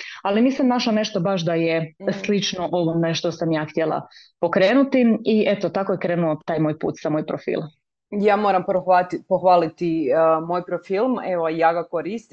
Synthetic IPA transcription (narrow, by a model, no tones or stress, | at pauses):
aliniːsamnaʃlane̞ʃt̪o̞baʃ̬d̪ajeslit͡ʃnoʔo̞ʋoneʃt̪osamjaːxt̪ʲjelˠa̰ | po̞kɾe̞ːnut̪iiʔe̞t̪ot̪ako̞jekɾeːnuot̪aːjmo̞ːjpṵːt̪samoːjpɾofḭlˠ | jaːmoɾampoat̪poxʋaːlit̪imoːjpɾofilˠmeʋojaːɡakoɾist̪